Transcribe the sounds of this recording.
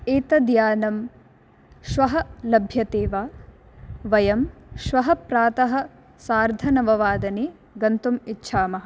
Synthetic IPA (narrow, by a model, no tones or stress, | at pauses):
eːt̪ɐd̪jaːnɐm | ʃʋɐɦɐlɐbʱjɐt̪eːʋaː | ʋɐjɐmʃʋɐɦɐpɾaːt̪ɐɦɐ̆ | saːɾd̪ʱɐnɐʋɐʋaːd̪ɐneː | ɡɐnt̪umitːʃʰaːmɐɦɐ